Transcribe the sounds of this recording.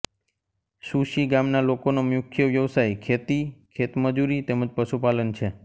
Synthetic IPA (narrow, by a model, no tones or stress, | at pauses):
suʃiɡamnalokonomjʊkʰjəʋjəʋsajkʰet̪ikʰet̪məd͡ʒuɾit̪eməd͡ʒpəʃupalənt͡ʃʰe